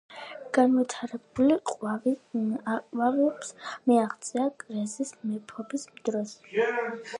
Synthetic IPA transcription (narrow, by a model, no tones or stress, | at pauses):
ɡ̥anvit̪ʰaɾɛbuliqʼ | wavɛpsmɛaʁt̪sʼiakʼɾɛzismɛpʰɔbismd̪ɾɔs